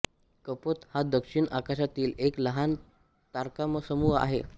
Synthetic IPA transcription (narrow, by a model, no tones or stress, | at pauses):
kəpot̪had̪əkʂiɳakaɕ̬at̪iːlekləɦan | t̪aɾkaməsəmua̰ɦe